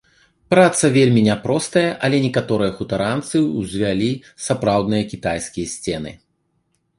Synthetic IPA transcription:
pɾat̪sɐvʲelʲmʲinʲapɾɔst̪ɐjɐʔɐlʲɛnʲɛkat̪ɔɾɨjɐxut̪aɾant̪sɨuzʲvʲalʲi | sapɾawd̪nɨjɐkʲit̪ajskʲijɐsʲt͡sʲɛnɨ̰

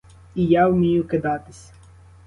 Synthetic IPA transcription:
ijawmʲijʊkɪd̪ɑt̪ɪsʲɐ̥

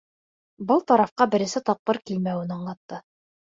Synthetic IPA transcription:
bɤlˠt̪ɑɾɑfqɑbɘ̆ɾɘ̆sɘt̪ɑp̚qɤɾkilmæwɘnɑɴlˠɑt̪ːɤ

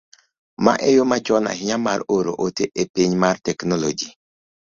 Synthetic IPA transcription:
ma̰ʔɛjomat͡ʃɔna̰ɦɪɲamaɾoɾo̰ʔoteʔepiɲmartɛknɔlod͡ʒi

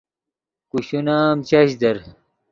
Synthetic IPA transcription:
kuɕunaːmt͡ɕaɕd̪ɐɾ

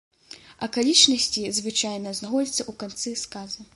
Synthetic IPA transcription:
ɐkalʲit͡ʂnɐsʲt͡sʲizvɨt͡ʂajnɐznaxɔd͡zʲit̪sɐʔukant̪sɨskazɐ

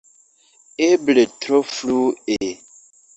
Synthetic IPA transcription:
ebletɾoflue

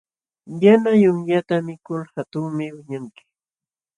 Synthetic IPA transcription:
janajʊŋʎat̪amɪkʊlhat̪ʊŋmɪwɪɲaŋkɪ̥

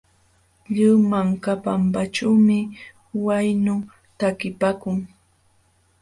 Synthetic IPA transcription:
ʎiwmaŋkapampat͡ʃawmɪ | wajnʊ | t̪akɪpaːkʊŋ

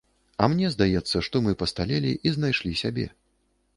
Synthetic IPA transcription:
ɐmnʲɛzd̪ajɛt̪sːɐʂt̪ɔmɨpɐst̪alʲelʲḭʔiznajʂlʲisʲabʲɛ̰

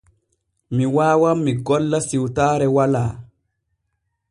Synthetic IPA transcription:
miwaːwamːiɡɔlːasiwtaːɾɛwalaː

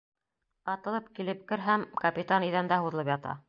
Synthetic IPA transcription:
ɑt̪ɤ̆lˠɤp̚kilɘp̚kɘ̆ɾɦæmkɐpʲit̪aniðænd̪æɦuðɤ̆lˠɤpjɑt̪ɑ̰

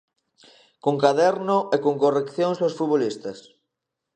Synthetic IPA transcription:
koŋkaðɛɾnoekoŋkorekθjoŋsosfuβolist̪ɐs

